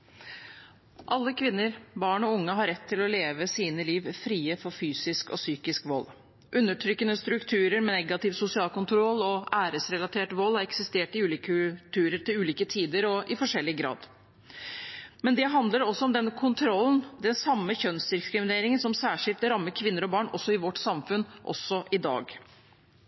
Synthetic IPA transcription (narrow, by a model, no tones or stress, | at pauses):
ʔɑlːəkʰʋɪnːəɾbɑːɳɔʊŋːəɦɑɾɛt̪ʰːɪlɔleːʋəsiːnəliːʋfɾiːəfɔɾfyːsɪskɔ̰syːkɪskʋɔlː | ʔʉnːəʈʰɾʏkːənəst̪ɾʉkt̪ʰʉːɾəɾmɛnɛɡɑt̪ɪʋsʊsɪɑːlkʊnt̪ʰɾɔlːɔæːɾəsɾɛlɑt̪ʰeːʈʋɔlːhɑɾɛksɪst̪eːʈɪʉːliːkt̪ʰʉːɾəɾʈɪlʉːliːkət̪ʰiːd̪əɾɔʔɪfɔʂɛlːɪɡɾɑ̰ːd̪ | mɛnd̪ɛɦɑnd̪ləɾɔsːɔɔmd̪ɛnkʰʊnt̪ʰɾɔlːnd̪ɛnsɑmːəçœnsd̪ɪskɾɪmɪneːɾɪŋənsɔmsæːʂɪlt̪ɾɑmːəɾkʰʋɪnːəɾɔbɑːɳɔ̰sːɔɪʋɔʈsɑmfʉnʔɔ̰sːɔʔɪd̪ɑ̰ːɡ